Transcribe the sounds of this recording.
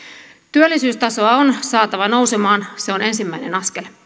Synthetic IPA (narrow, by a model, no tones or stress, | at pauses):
t̪yølːisyːst̪ɑso̞ɑonsɑːt̪ɑʋɑno̞wsemɑːnse̞one̞nsimːæinḛnɑske̞l